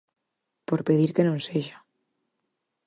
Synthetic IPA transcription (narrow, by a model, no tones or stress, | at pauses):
poɾpeð̞iɾkenõnseʒḁ